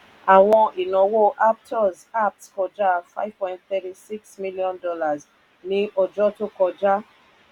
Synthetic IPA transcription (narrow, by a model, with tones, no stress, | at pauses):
a˨wɔ̃˧ʔi˨nɔ̃˨wo˦ʔa˦p̚tʰɔ˦za˦p̚tkɔ˨d͡ʒa˦fa̰˦ɪv̥pɔ̃˨j̃nt̚θɛ˦ti˦si˦ksmi˦liɔ̃˦ndɔ˦la˨z | nĩ˨ʔɔ˨d͡ʒɔ˦to˦kɔ˨d͡ʒa˦